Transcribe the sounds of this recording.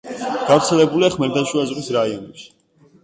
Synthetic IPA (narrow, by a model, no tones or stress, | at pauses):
ɡ̥avɾt̪sʰɛlɛbuliaχmɛɾd̪anʃuazʁwisɾaiɔnɛpʃi̥